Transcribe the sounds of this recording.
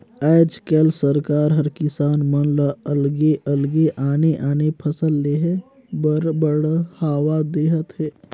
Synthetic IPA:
aːd͡ʒkɛːlsəɾkaːɾɦəɾkɪsaːnmənlaəlɡeəlɡeʔaːneʔaːnepʰəsəlːeːɦɛ | bbəɽhaːwad̪eːɦət̪ɦɛː

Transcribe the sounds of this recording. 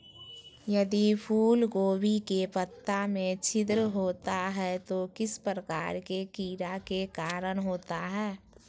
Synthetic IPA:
jəd̪ipʰuːlɡoːbikepət̪ːamẽt͡ʃʰɪd̪ɾəɦoːt̪aɦɛt̪okɪspəɾəkaːɾkekiːɾakekaːɾəɽ̃ɦoːt̪aɦɛː

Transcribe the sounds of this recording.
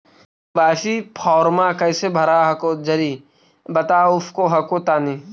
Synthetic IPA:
baːʃipʰɔːɾmaːkɐjsebʱɐɾaɦɐkoːd͡ʒɐɾiː | bɐt̪aːʊpʰkoɦɐkoːt̪aːniː

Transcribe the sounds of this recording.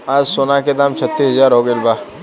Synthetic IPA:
aːd͡ʒsoːnaked̪aːmt͡ʃʰət̪ːisɐzaːɾɦoːɡelbaː

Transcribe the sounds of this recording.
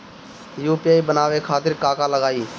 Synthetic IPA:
juːpijaːiːbənaːʋeːkʰaːt̪ɪɾkaːkaːləɡaːiː

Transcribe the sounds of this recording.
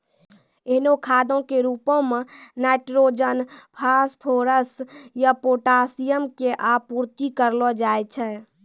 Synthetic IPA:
eɦnokʰad̪õkeɾupõmẽːaɪʈɾod͡ʒənpʰaspʰoɾəsjapoːʈasijəmkeʔapuɾt̪ikəɾlɔd͡ʒaːjt͡ʃʰɛː

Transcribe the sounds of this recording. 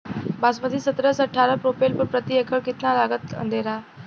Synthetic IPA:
basməd̪ʱiːsət̪ɾəsəʈʰaɾəpɾopelpəɾpɾət̪iekʰəɽkit̪nalaɡət̪ə̰nd̪eɾa

